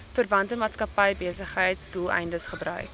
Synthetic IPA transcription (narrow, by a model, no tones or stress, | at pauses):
fərvɐntəmaːtskɐpɛjbeəsəχɦəjtsdulˠɛ̰jndəsχəbɾœ̰ɥ